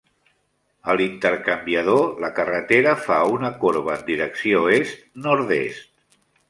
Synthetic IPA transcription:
əlint̪əɾkəmbiəð̞oləkərət̪eɾəfaunəkoɾβəːnd̪iɾəksioest̪̚nɔɾðḛst̪̚

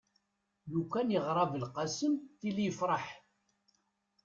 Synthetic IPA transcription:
jukːænjəʁɾˤɑvəlqɑsəmθilijəfɾˤɑħ

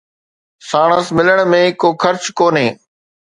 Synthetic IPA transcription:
saːɽ̃əsmɪləɽ̃mẽkoːkʰɐɾt͡ɕkoːneː

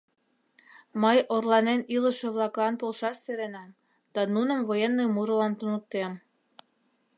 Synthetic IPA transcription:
məjʔorlɑneniləʃĕβlɑklɑnpolʃɑsseɾenɑm | d̪̥ɑnunə̆mβojenːejmuɾəlɑnt̪unək̚t̪em

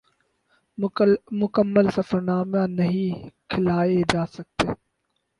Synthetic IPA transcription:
mʊkəmːəlsəfəɾnaːmãːnəɦĩːkʰɪlaːeːd͡ʒaːsək̚t̪ḛː

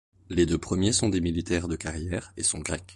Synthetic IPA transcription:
led̪øpχəmjesɔ̃d̪emilit̪ɛʁd̪əkaʁjɛːʁesɔ̃ɡʁɛk

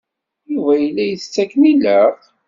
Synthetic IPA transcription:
juvæjəlːæjəθt͡sːækːniləʁ

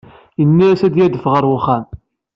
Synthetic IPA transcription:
jənːiɾæsæd̪jæd̪əfʁəɾˤwʊχæn

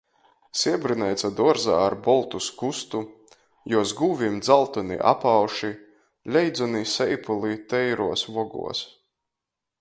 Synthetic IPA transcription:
siɛbɾinɛjt̪sad̪uɔɾza̰ːɾbɔlˠt̪uskust̪u | juɔzɡuːvʲimd̪zalˠt̪ɔnḭʔa̰pawʃi | lʲɛjd̪zɔnisɛjpulˠit̪ɛjɾuɔsvɔɡṵɔs

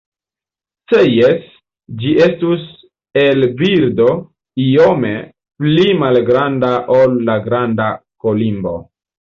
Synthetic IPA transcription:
sejes | d͡ʒiʔe̞stus | elbiɾdo̞ | iome̞ | plimalɡɾandaʔolːaɡɾandakolimbo̰

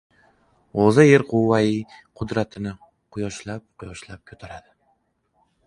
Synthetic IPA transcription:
ozajeɾqʰʊwajɪqʰʊd̪ɾat̪ʰɪnɪ | qʰʊjɒʃlap̚qʰʊjɒʃlap̚kʲʰɵ̥t̪ʰaɾad̪ɪ

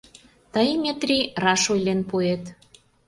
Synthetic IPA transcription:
t̪əjmʲet̪rʲirɑʃojlenpuet̪

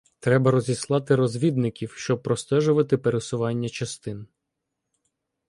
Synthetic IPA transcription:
t̪ɾɛbɐɾɔzʲislˠɑt̪ɪɾɔzʲʋʲid̪nɪkʲiwʃt͡ʃɔb̚pːɾɔst̪ɛʒʊʋɐt̪ɪpeɾesʊʋɑnʲːɐt͡ʃɐst̪ɪn

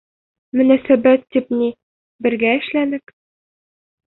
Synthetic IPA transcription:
mɵ̆næsæbæt̪ːipni | bɘ̆ɾɡæɘ̆ʃlænɘk

